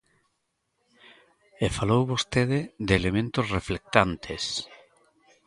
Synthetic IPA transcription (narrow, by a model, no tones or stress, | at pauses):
efalowβost̪eðed̪eːlemẽnt̪osreflek̚t̪ant̪ʰes